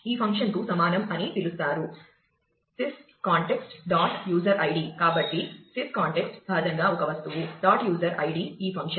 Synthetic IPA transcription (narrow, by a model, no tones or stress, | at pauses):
iːpʰɐŋkʂɐnt̪uːsɐmaːnɐmɐnit̪ilust̪aːɾu | sis | kaːɳʈeksʈɖaːʈjuːd͡ʒɐɾʔɐjɖikaːbɐʈːisiskaːɳʈeksʈbʱaːd̪ʱɐŋɡaːɔkɐʋɐst̪uʋuɖaːʈjuːzɐɾɐ̰jɖiːiːpʰɐŋkʂɐ